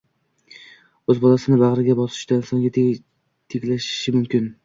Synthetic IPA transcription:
ɵzbɒlˠasɪnɪbaʁɾɪɡʲabɒsɪ̥ʃd̪ansɒŋɡʲa | t̪ʰeɡʲlaʃɪ̥ʃɪmʊmkʲɪn

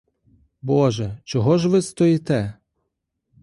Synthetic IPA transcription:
bɔʒɛt͡ʃɔɦɔʒʋɪst̪ɔjit̪ɛ

